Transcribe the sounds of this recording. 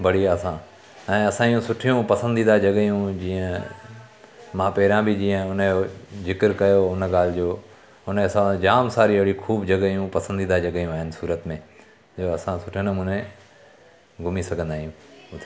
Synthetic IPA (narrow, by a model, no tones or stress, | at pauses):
bɐɽiasã | ɛ̃ːɐsãːijũsʊʈʰijũpɐsə̃nd̪id̪ad͡ʑɐɠjũd͡ʑiːə̃ | mãːpɛːɾãbʱɪd͡ʑĩːə̃ʊnjoːzɪkəɾkɐjoʊnɠaːl̤ɪd͡ʑoː | ʊnsãd͡ʑaːmsaːɾiɐɦɪɽikʰuːbd͡ʑɐɡijũpɐsə̃nd̪id̪ad͡ʑɐɠjũaːɦɪnɪ̆suːɾət̪mẽː | d͡ʑoːɐsãsʊʈʰinəmũːnẽ | ɡʱʊmisɐɡʱə̃nd̪aːɦijũt̪ʰ